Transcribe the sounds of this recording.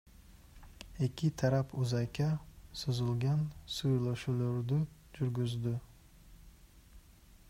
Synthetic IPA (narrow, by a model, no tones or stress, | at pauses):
e̞kʲit̪ʰaɾapʰuzɑkʲɑsuzulˠɡɑnsujlˠoʃulˠoɾd̪y | d͡ʒyɾɡʲyzd̪y